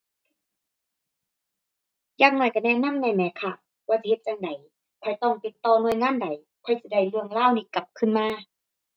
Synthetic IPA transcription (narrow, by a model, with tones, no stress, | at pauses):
jaː˧˩ŋ̚nɔː˧˩jka˧˩nɛː˧˨na˧˥˨mnɛː˧˩mɛː˨˦kʰa˧˩ | waː˧˨si˧he˧t̪̚t͡ɕa˧ŋda˨˩˦j | pʰɔ˧˩jt̪ɔ˧˩ŋt̪i˨˧˦t̪ːɔː˧˦nu˧əjŋaː˧˥˨nda˨˦j | pʰɔ˧˩jsi˧˩da˧˩jlɯ˧˩əŋlaː˧˥˨wniː˧˨ka˨˧˦p̚kʰɯ˧˥˨nmaː˧˥˨